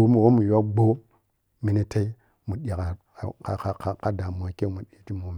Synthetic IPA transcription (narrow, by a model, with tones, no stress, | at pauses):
o˦mu˨wo˦mu˨jo˦kɡ͡bo˦ | mi˨ni˦ta˦i˦ | mu˨ɗi˨ka˨ | ka˨ka˨ka˦˨ka˦da˨mo˨a˨ke˦mu˨ɗi˦ti˦mo˨m˨